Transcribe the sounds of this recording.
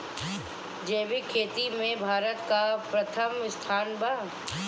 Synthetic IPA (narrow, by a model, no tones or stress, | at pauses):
d͡ʒeːʋikʰːeːt̪imẽbʱaːɾət̪kapɾɐt̪ʰəmɪst̪ʰaːnbaː